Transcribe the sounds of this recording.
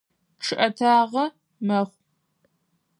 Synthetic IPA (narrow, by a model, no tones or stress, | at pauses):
ʈ͡ʂʰɨʔɐtʰaːʁɐ | mɐχʷ